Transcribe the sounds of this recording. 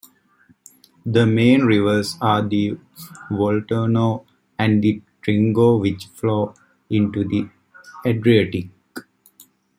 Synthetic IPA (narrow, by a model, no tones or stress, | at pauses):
d̪əmẽːnɾiʋəɾsaːd̪i | ʋolʈəːnoː | æ̃ɳɖd̪iʈɾĩŋɡoːʋit͡ʃfloː | ĩɳʈud̪i | eɖɾioʈik̚